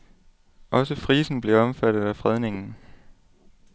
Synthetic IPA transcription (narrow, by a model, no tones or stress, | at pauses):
ʔɒ̽səfʁiːsn̩b̥le̝ɒ̽mfæd̥ð̩ˠæfʁɛð̞ˠne̝ŋn̩